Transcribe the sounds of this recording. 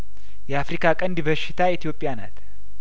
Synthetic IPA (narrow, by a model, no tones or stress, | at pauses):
jɛafɾikʰakʼənd̪iβəʃːɪt̪ʰaɛt̪ʰijo̞pʼːɪjana̰t̪